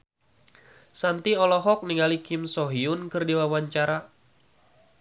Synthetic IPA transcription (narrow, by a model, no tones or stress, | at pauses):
sant̪iɔlɔɦɔk̚niŋalikɪmsɔɦiʊnkɨrdiwawaɲt͡ʃaɾa